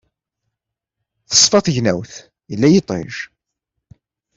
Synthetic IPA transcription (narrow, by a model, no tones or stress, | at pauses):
θə̥sˤːfɑθʝnæwθ | jəlːæjit̪ˤɪ̰ʒ